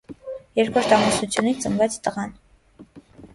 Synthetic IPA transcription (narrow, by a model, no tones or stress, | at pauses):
jɛɾkʰɔɾt̪ʰɑmusut͡sʰjunit͡sənvɛt͡sʰt̪əʁɑn